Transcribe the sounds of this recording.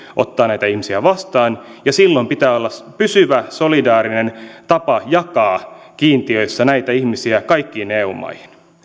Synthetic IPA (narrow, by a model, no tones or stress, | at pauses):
ʔot̪ːɑːnæjt̪æihmisiæʋɑst̪ɑːnjɑsilːompit̪æːolːɑspysyʋæso̞lidɑːɾinent̪ɑpɑjɑkɑːkiːnt̪iø̞isːɑnæit̪æihmisiækɑikːiːneːumɑ̰ihin